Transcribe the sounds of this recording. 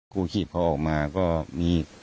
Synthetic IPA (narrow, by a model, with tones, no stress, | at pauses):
kʰuː˧kʰiː˨˩p̚kʰa˧wʔɔː˨˩k̚maː˧kɔː˥˩miː˧